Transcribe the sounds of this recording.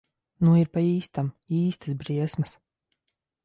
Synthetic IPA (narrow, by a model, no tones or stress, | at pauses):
nuiɾpaiːst̪amiːst̪ɨ̥sbɾiɛsmɨs